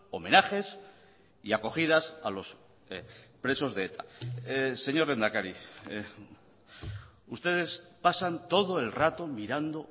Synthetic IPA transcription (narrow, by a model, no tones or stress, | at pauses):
o̞mẽ̞naxe̞s | iako̞xiðasalo̞s | pɾe̞so̞zðe̞et̪ʰa̰ | se̞ɲo̞ɾe̞nd̪akaɾi | ust̪e̞ð̞e̞spasant̪o̞ð̞o̞e̞lrat̪o̞miɾand̪o̞